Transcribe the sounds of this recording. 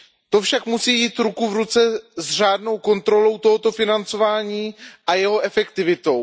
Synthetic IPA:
t̪o̞fʃakmusiːjiːt̪ɾukuvɾut͡sɛzr̝aːdno̞wko̞nt̪ɾo̞lo̞wt̪o̞ɦot̪o̞fɪnant͡so̞vaːɲiːʔajɛɦo̞ʔɛfɛkt̪ɪvɪt̪o̞w

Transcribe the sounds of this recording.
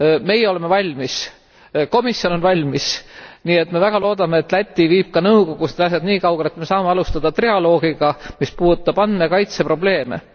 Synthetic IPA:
me̞jeo̞le̞me̞vɑlʲmis | ko̞misjo̞no̞nvɑlʲmisniːe̞t̪me̞væɡ̥ɑlo̞ːd̪ɑme̞ːt̪ˑlæt̪ʲːiviːb̥̚kɑnɤwko̞ɡ̥usned̪ɑs̬ɑd̪niːkɑwɡelet̪me̞sɑːmeɑlust̪ɑd̪̥ɑt̪riɑlo̞ːɡ̥iɡ̥ɑmispuːd̪ut̪ːˑɑb̥ɑnd̪mekɑjt̪se̞pro̞ble̞ːme̞̰

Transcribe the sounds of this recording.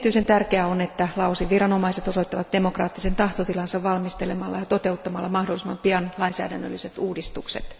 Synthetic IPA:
t̪yisent̪ærkeæonet̪ːælɑowsiʋirɑno̞mɑiset̪o̞so̞it̪ːɑʋɑt̪̚d̥e̞mo̞krɑ̰ːt̪ːise̞nt̪ɑht̪ot̪ilɑnsɑʋʋɑlmist̪elemɑlːɑ̰jɑt̪o̞t̪e̞ut̪ːɑmɑlːɑmɑhdolːˑisemɑmpiɑnlɑinsæ̰ːdænːø̰lːiset̪uːdist̪uksḛt̪

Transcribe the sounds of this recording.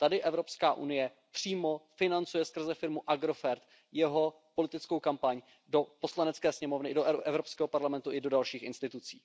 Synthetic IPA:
t̪adɪʔɛvɾo̞pskaːʔṵnɪjɛ | pr̝̥iːmo̞fɪnant͡sujɛskr̩zɛfɪɾmuʔaɡɾo̞fɛɾt̪ | jɛɦo̞ | po̞lɪt̪ɪt͡skowkampaɲ | do̞po̞slanɛt͡skɛːsɲɛmo̞vnɪdoʔʔɛvɾo̞pskɛːɦopaɾlamɛnt̪uʔɪdo̞dalʃiːxɪnst̪ɪt̪ut͡sḭː

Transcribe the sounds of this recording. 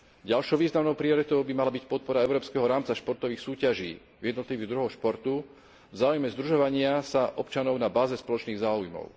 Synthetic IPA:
ɟalʃɔʊʋiːznamnɔʊpɾiɔɾit̪ɔʊbimalabicpɔt̪̚pɔɾaɛʊɾɔːpskɛɦɔɾaːmt͡saʃpɔɾt̪ɔʋiːxsuːcaʒḭː | vjɛd̪nɔt̪liʋiɣd̪ɾuɦɔʃpɔɾt̪u | vzaːujmɛzd̪ɾuʒɔʋaɲɪasaʔɔpt͡ʃanɔʊnabaːzɛspɔlɔt͡ʃniːɣzaːujmɔ̰ʊ

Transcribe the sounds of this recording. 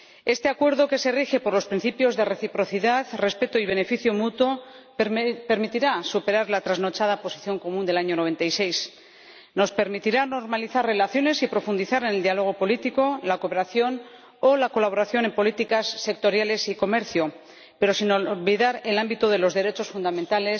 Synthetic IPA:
e̞st̪e̞akwe̞ɾðo̞ke̞se̞rixe̞po̞ɾlo̞spɾin̟θipjo̞zðe̞re̞θipɾo̞θiðaðre̞spe̞t̪oiβ̞e̞ne̞fiθjomut̪wo̞ | peɾmit̪iɾasupe̞ɾaɾlat̪ɾazno̞t͡ʃaðapo̞siθjo̞ŋko̞mũnd̪e̞laɲo̞noβe̞nt̪ajse̞js | no̞spe̞ɾmit̪iɾano̞ɾmaliθarre̞laθjo̞ne̞sipɾo̞fund̪iθaɾeneld̪ialo̞ɣ̞o̞po̞lit̪iko̞lako̞pe̞ɾaθjo̞n | olako̞laβ̞o̞ɾaθjo̞ne̞mpolit̪ikasːe̞k̚t̪o̞ɾjale̞siko̞me̞ɾθjo | pe̞ɾo̞sinolβiðaɾe̞lambit̪oð̞e̞lo̞zðe̞ɾe̞t͡ʃo̞sfund̪amẽnt̪ale̞s

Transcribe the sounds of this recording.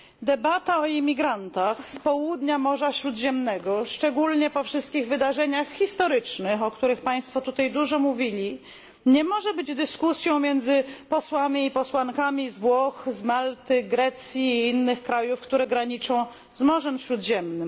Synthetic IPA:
d̪ɛbat̪aɔimʲiɡɾant̪axspɔwud̪ɲamɔʐaɕɾud̪ʑɛmnɛɡɔʂt͡ʂɛɡulɲɛpɔfʂɘst̪kʲiɣvɘd̪aʐɛɲaxxːist̪ɔɾɘt͡ʂnɘxɔkt̪uɾɘxpaj̃st̪fɔt̪ut̪ajd̪uʐɔmuvʲilʲi | ɲɛmɔʐɛbɘd͡ʑd̪ɘskusʲjɔ̃w̃mʲjɛnd̪zɘpɔswamʲiːpɔswaŋkamʲizvwɔxzmalt̪ɘɡɾɛt̪sʲjiːinːɘxkɾajufkt̪uɾɛɡɾaɲit͡ʂɔ̃w̃ | zmɔʐɛmɕɾud̪ʑɛmnɘm

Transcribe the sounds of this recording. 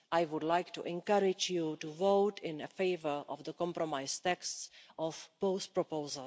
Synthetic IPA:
ʔajvʊdlajktuʔɛ̃nkaɾɪd͡ʒjutuvowtʰɪ̃nəfeɪvəɹʔɔvd̪əkɔ̃mpɾomajst̪ɛkstsʔɔfpospɾopowzəl

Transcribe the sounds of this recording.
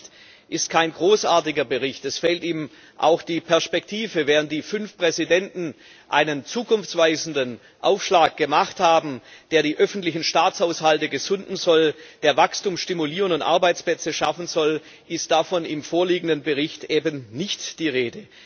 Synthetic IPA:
t | ʔɪst̚kʰaɪnɡʁoːsʔaːɐtɪɡɐbəʁɪçtɛsfɛːltiːm | ʔa̰ʊxd̥iːpʰɛɐspɛk̚tʰiːvəvɛːʁənt̚d̥iːfʏnfpʁ̥ɛzidɛntn̩ | ʔa̰ɪnənt͡suːkʰʊnft͡sv̥aɪzn̩dən | ʔaʊfʃlaːk̚ɡ̥əmaχthaːbm̩d̥eːɐɾiːʔœfn̩tlɪçn̩ʃtaːt͡shaʊshaltəɡəzʊndn̩zɔld̥eːɐvakstuːmsʃtimuliːʁənʊntʔa̰ɐbaɪt͡splɛt͡səʃafn̩zɔl | ʔɪst̚d̥afɔnɪmfoːɐliːɡŋ̩dənbəʁɪçtʔeːbənnɪçtd̥iːʁeːdə

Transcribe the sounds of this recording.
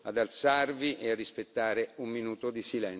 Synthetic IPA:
ad̪alt̪sarviʔearːispet̪ːaːɾeumːinuːt̪od̪isilɛn

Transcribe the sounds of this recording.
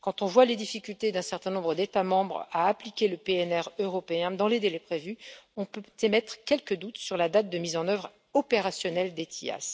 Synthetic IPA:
kɑ̃t̪ɔ̃vwaled̪ifikʲylt̪ed̪ɛ̃sɛʁt̪ɛ̃nɔ̃bʁəd̪et̪amɑ̃bʁaːplikʲeləpeɛnɛʁøʁɔpeɛ̃d̪ɑ̃led̪elepχevyɔ̃pøt̪emɛt̪χkʲɛlkəd̪ut̪syʁlad̪at̪̚d̪əmizɑ̃nœvʁ | ɔpeʁasjɔnɛld̪et̪ʰḭa̰s

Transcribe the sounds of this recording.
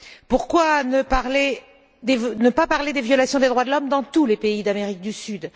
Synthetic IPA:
puʁkwanəpaʁle | d̪enəpapaʁled̪evjɔlasjɔ̃d̪ed̪ʁwad̪əlɔmd̪ɑ̃t̪ulepeid̪ameʁik̚d̪ysyd̪

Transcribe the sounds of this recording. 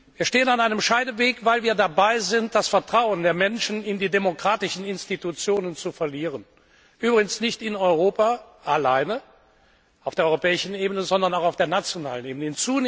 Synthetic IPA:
viːɐʃteːənanaɪnəmʃaɪdəveːkvaɪlviːɐdabaɪzɪnt̚d̥asfɛɐtʁ̥aʊəndeːɐmɛnʃn̩ɪndiːdemokʁ̥aːtɪʃn̩ɪnstitut͡sjoːnənt͡sufɛɐliːʁən | ʔyːbʁɪɡən̩snɪçtɪnɔʏʁoːpa | ʔalaɪnə | ʔaʊfd̥eːɐɔʏopɛːɪʃn̩eːbənəzɔndɐnaʊxaʊfd̥eːɐnat͡sjona̰ːləneːbənəɪnt͡suːn

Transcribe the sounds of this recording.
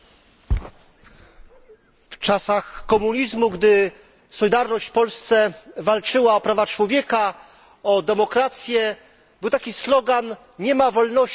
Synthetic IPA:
ft͡ʂasaxkɔmuɲizmuɡd̪ɘ | sɔlʲid̪aɾnɔɕt͡ɕfpɔlst̪sɛvalt͡ʂɘwaɔpɾavat͡ʂwɔvʲjɛka | ɔd̪ɛmɔkɾat̪sʲjɛ | b̥ɨwt̪akʲislɔɡan | ɲɛmavɔlnɔ

